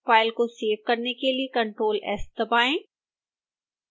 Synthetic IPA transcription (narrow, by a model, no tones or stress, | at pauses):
faːɪlkoseːʋkɐɾnekeliekɐ̃ɳʈɾoːlɛ̰ːsd̪ɐbaːẽː